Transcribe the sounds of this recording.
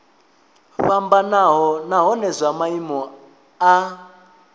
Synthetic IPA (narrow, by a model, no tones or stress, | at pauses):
ɸambanaɦɔnaɦɔnɛzʷamaimɔ | a